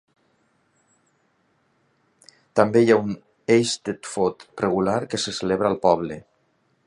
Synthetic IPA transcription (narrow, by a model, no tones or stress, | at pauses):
t̪ambejaun | ejst̪et̪fot̪reɣ̞ulaɾkeseseleβɾalˠpɔβle